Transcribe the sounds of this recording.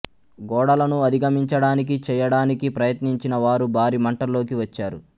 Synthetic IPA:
ɡɔːɽɐlɐnuɐd̪ʱiɡɐmiɲt͡ʃɐɽaːnik̬it͡ʃɛːjɐɽaːnikipɾɐjɐt̪niɲt͡ʃinɐʋaːɾubʱaːɾiːmɐɳʈɐlo̞ːkiʋɐt͡ʃːaːɾu

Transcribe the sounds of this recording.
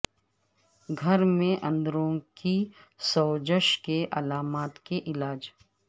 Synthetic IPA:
ɡʱɐɾmẽʔɐ̃nd̪ɾõkisɔːd͡ʒəʃkeʔɐlaːmaːt̪keʔɪlaːd͡ʒ

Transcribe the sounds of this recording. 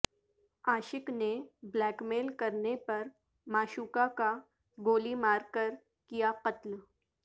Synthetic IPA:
aːɕɪkneblɛkmelkəɾnepəɾ | maːɕuːkaka | ɡoːlimaːɾkəɾ | kijaqət̪l

